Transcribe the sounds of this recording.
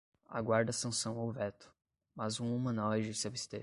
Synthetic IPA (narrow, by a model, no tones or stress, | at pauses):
a̰ɡwaɾd̪ɐsɐ̃sɐ̃w̃awvɛt̪ʊ̥ | mɐzũumɐ̃nawɛd͡ʒisɪabist̪e